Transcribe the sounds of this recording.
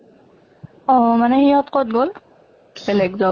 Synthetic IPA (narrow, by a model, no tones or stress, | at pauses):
ɔɦmanɛhijɔtqot̚ɡol | bɛlɛɡzɔ